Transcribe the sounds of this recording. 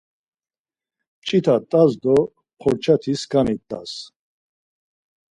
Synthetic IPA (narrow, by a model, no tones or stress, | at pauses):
t͡ʃʼit̪ʰat̪ʼazd̪ɔ | χʰɔɾt͡ʃʰat̪ʰiskʰʼanit̪ʼːa̰s